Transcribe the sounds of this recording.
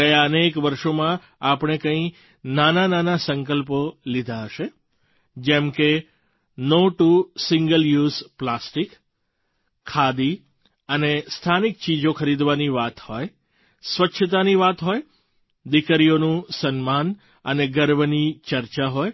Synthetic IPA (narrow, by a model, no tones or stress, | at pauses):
əjaənekʋəɾʃomã | apɳ̃ekə̃ĩ | nanananasəŋkəlpolid̪ʱaɦəʃe | d͡ʒɛmke | noʈusɪŋɡəljuzplasʈikʰ | ad̪i | ənest̪ʰanik̚t͡ʃid͡ʒokəɾid̪ʋaniʋat̪hoj | sʋətːʃʰət̪̬aniʋat̪ɦoj | d̪ikəɾijonũsənman | əneɡəɾbənit͡ʃəɾt͡ʃaɦoj